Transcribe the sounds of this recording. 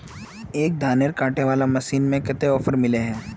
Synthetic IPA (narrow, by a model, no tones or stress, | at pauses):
eːk̚d̪ʱaːneɾkaːʈeʋaːlamɐsiːnmẽkɪt̪eɔːfʰəɾmɪleɦɛ̃ː